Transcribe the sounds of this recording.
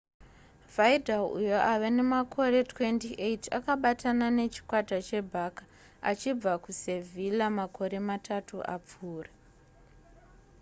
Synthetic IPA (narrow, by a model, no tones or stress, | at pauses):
vaidʱalṵjo̞ʔaʋe̞ne̞makʰo̞re̞twe̞ntiʔeitakaɓatʰanane̞t͡ʃi̥kwatat͡ʃe̞bʱaːkḁ | a̰t͡ʃib͡vakuse̞vʱilamakʰo̞ɾe̞matʰatuʔa̰p͡fuːra